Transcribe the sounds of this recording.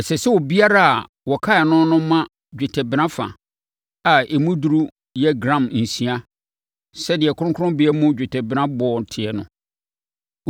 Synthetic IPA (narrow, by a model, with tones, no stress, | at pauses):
ɛ˨sɛ˨sɛ˦wɔ˨bi˦a˦ɾa˦a˨ | wɔ˨kʰa˦ɛ˨nʊ̃˦nʊ̃˦mã˦ | d͡ʑᶣɪ˨tʰɛ˨bɪ˨nã˦fã̰˨ | a˨e˨mũ˦du˦ɾu˦ | jɛ˦ɡɾã˦˨mn̩˨sĩ˨a˦ | sɛ˦dɪ˨ɛ˨kʰʊ˦ɾʊ̃˦kʰʊ˦ʊ̃˦bɪ˨˦ɛ˦mũ˦d͡ʑᶣɪ˨tʰɛ˨bɪ˨nã˦bɔ˨ɔ˨n˨tʰɪ˨ɛ˨nʊ̰̃˨